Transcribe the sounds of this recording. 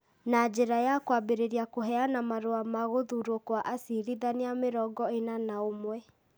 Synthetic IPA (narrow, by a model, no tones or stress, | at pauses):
nad͡ʒeɾajakwabeɾeɾiakoɦɛanamaɾoamaɣoðuɾwokwaʔasiɾiðanijameɾɔɡɔenanaomwɛ